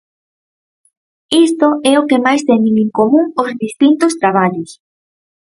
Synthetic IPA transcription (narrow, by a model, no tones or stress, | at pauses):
ist̪oɛokemajst̪ɛnɪŋiŋkomũŋozðist̪int̪ʊst̪ɾaβ̞aʎʊs